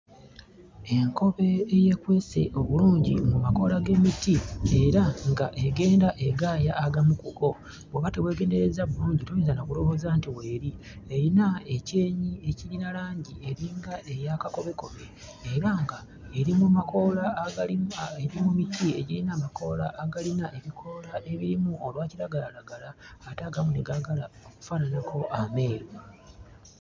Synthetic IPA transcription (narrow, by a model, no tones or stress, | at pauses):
e̞ŋko̞βe̞ːje̞kwe̞ːse̞̰ʔo̞βuluːɲɟimumako̞ːlaɡe̞mitie̞ɾaŋɡaʔe̞ɡe̞ːndaʔe̞ɡaːjaːɡamukuko̞ | bweβate̞βwe̞ːɡe̞ːnde̞ɾe̞zaβuluːɲɟituɲezanokulo̞βo̞ːzantiwe̞ːɾi | e̞ɾinae̞ce̞ːɲie̞cilinalaːɲɟie̞ɾiŋɡae̞jakako̞βe̞ko̞βe̞ | eɾaŋɡa | e̞ɾimumakola | eɾimumitie̞̰ɟilinamako̞la̰ʔːɡalinaʔe̞βikʰo̞laʔe̞βiɾimuolwaːciɾaɡalalaɡalaːtaɡamune̞ɡaɡalaoku̥fananako̞ʔame̞ːɾo